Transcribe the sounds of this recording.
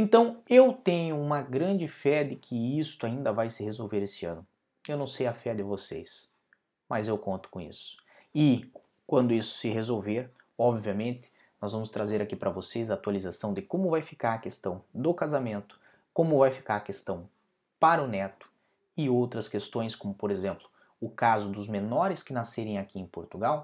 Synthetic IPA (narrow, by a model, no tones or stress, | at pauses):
ẽnt̪ɐ̃w̃ewt̪ẽɲʊũmɐɡɾɐ̃d͡ʒɪfɛd̪ɪkʰɪist̪ʊaĩnd̪ɐvajsɪhezowveɾesɪɐ̰̃nʊ | ewnɐ̃w̃sejɐfɛd̪ɪvosḛs | mɐzewkõnt̪ʊ̥kõḭsʊ̥ɪ | kwɐ̃nd̪ʊisʊ̥sɪɦezowveɾ | ɔbviɐmẽnt̪ɪ̥ | nɔzvɐ̃mʊst̪ɾazeɾakipɾɐvosejzɐaːt̪walizasɐ̃w̃d̪ɪkõmʊvajfikaɾɐkest̪ɐ̃w̃d̪ʊkazamẽnt̪ʊ̥ | kõmʊvajfi̥kaɾɐkest̪ɐ̃w̃ | paɾɐʊnɛt̪ʊ̥ | ɪowt̪ɾɐskest̪õj̃skõmʊpoɾezẽmplʊ | ʊkazʊd̪ʊzmenɔɾɪskɪnaseɾẽj̃akiẽj̃poɾt̪uɡaw